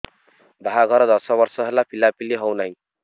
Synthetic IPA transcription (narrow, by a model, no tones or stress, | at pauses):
bʱaɦaɡʱʌɾʌd̪ʌsʌbʌrsʌɦelapilapileɦʌwnʌj